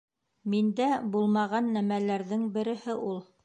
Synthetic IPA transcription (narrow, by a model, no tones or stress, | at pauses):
mind̪æbulˠmɑʁɑnːæmælæɾðɘŋbɘ̆ɾɘ̆hɘʔulˠ